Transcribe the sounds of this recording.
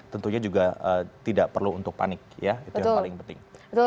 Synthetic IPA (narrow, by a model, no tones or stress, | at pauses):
t̪ənt̪uɲad͡ʒuɡaət̪idaʔpərluːnt̪ʊk̚pa̰nɪk̚jait̪ujaŋpalɪŋpənt̪ɪŋət̪